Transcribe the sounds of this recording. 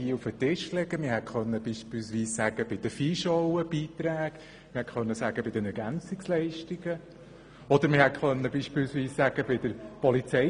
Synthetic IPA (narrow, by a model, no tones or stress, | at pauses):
iːufət̪ɪʃlɛɡəmɪɾɦɛtχœnːəb̥iːʃpɪlsʋiːsːæɡ̥əb̥ɪd̥̪əfiʃɔʊəb̥iːt̪ɾæːɡ | mɪhɛtχœnːəsæɡ̥əbɪd̥̪ɛnɛɾɡænt͡sɪkslɛɪʃtiɡə | ɔd̪əɾmɪhɛtχœnːəbiːʃpɪlsʋiːsːæɡ̥əbɪd̥̪əɾpɔlit͡sɛ